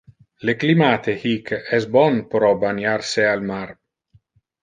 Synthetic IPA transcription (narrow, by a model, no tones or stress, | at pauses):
leklimaːt̪ehikɛsbɔnpɾɔbanjaɾsealmaɾ